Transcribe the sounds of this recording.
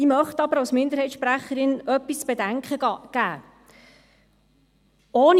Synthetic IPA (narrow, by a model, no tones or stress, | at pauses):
imœχtɑbəɾɑwsmɪnd̪əɾhɛɪt̪ʃpɾæχːəɾɪnœpːist͡sb̥edæŋkχəɡ̥æː | oːn